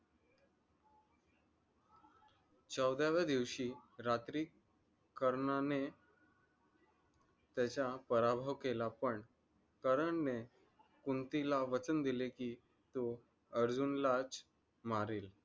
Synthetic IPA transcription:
t͡səwd̪jaʋjad̪iʋɕiːɾat̪ɾikː | əɾɳane | t̪jat͡ɕapəɾabʱəʋkelapəɳ | kəɾəɳne | kunt̪ilaʋət͡sənd̪ilekiː | t̪o | əɾd͡zunlat͡s | maɾiːl

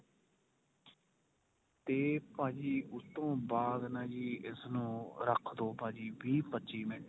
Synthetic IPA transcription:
t̪eːpãːd͡ʒiːʔʊt̪ːõːbaːd̪naːd͡ʒiːʔɪsnũːɾəkʰd̪oːpãːd͡ʒiːʋiːpətːt͡ʃiːmɪ̃ɳʈ

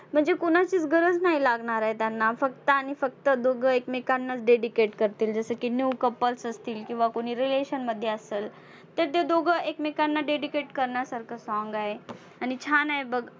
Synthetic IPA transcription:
m̤əɳd͡zekuñat͡ɕiːt͡sɡəɾəd͡znaɦilaɡɳaɾaɦet̪janːafək̚t̪əanifək̚t̪əd̪oɡʱəekmekanːat͡sɖeɖikeʈkəɾt̪iːld͡zəsəkinːiukəpːəlsəst̪iːlkĩw̃ʋakoɽ̃iːɾileɕənməd̪ʱːjeəseːl | t̪eɾt̪̬ed̪oɡʱəʔekmekanːaɖeɖikeʈkəɾɳjasaɾkʰəsɔ̃ŋɡaɦe | añit͡ɕʰanaebəɡ

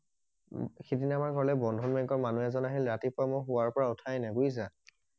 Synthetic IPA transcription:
kʰidinamaɹɡʱɔɹlɛbɔndʱɔnmɛŋkɔɹmanuɛzɔnaɦilɹatipʊamʊxʊwaɹpɔɹaʊtʰajnaɡujza

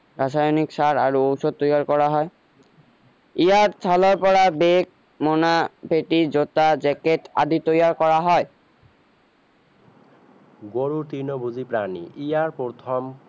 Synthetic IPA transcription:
ɾaʃajonikʃaɾaɾoowʃod̪̚t̪ojaɾkɔɾaɦɔe | ijaɾt̪ʰalɔɾpɔɾabek̚ | monapeʈid͡ʑot̪ad͡ʑɛkeʈa̰d̪it̪ojaɾkɔɾaɦɔe | ɡoɾuɾt̪inobʱuzipɾanḭʔijaɾpot̪ʰɔm

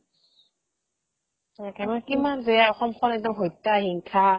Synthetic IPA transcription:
makimanzɛjaɔxɔmkʰɔnɛdɔɦojtːahiŋkʰa

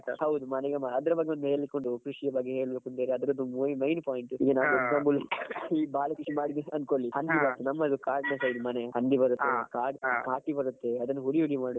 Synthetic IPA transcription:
a̰hɐwd̪umɐnɛɡemaːɐd̪ɐɾɐbɐɡːeond̪uɦe̞ːɭikoɳɖukɾuʂijɐbɐɡːeɦeːɭbeːkunt̪eɾeɐd̪ɐɾod̪umuimɐjnpaːjiɳʈiːɡɐnaːʋeɡsɐːmbulːɐibaːlɐkuʂimaːɽieɐnkoɭːihɐnd̪ibɐɾt̪ːenɐmːɐɐd̪ukaːɖnesɐjd̪umɐnehɐnd̪ibɐɾut̪ːekaːɖkaːʈibɐɾut̪ːe̞ɐd̪ɐnːɐɦuɾiuɽimaːɽu

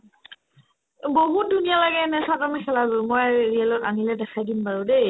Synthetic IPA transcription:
boɦut̚dunijalaɡɛnɛsatamɛkʰɛlazʊmojɹiɛlɔtanilɛdɛxʰajdinpaɹudej

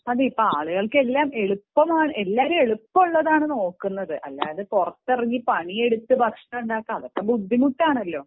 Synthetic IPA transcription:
ɐðiipːoaːɭuɣɐɭkɨelːaːme̞ɭupːɐmaːɳɨʔe̞lːaːɾume̞ɭupːɐuɭːɐðaːɳɨno̞ːkːunːɐðɨʔɐlːa̰ːjɐðɨkurɐt̪ːeriŋːipɐɳije̞ɽut̪ːɨbʱɐkʂɐmuɳɖaːkːamɐðo̞kːebud̪ʱːimuʈːaːɳɐlːo̞ː

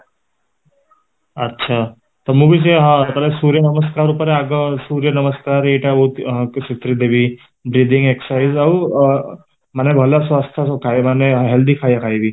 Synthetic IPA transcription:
ɐtːɕʰa | t̪əmubiseɦãt̪əlesuɾjənəməskaɾupəɾeaɡəsuɾjənəməskaɾeʈaut̪ɦsit̪ɾid̪eʋi | bɾid̪iŋɡeksajizɐw | manebʱəlasʋast̪ʰaskʰaemaneɦeld̪iːkʰajakʰaibiː

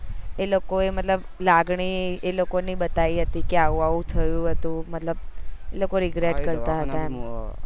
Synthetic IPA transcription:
elokoemət̪ləb | laɡɳielokonibət̪aiɦət̪ikeaʋũaʋũt̪ʰəjũɦət̪ũmət̪ləb̚elokoɾiɡɾeʈkəɾt̪aɦət̪a

